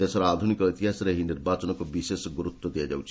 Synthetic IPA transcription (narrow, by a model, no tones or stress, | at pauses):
t̪esɔɾaad̪ʱunikɔijt̪iɦasɔɾeɦiniɾbat͡ʃɔnɔkubisesɡuɾut̪wɔd̪iad͡ʒawt͡ʃʰi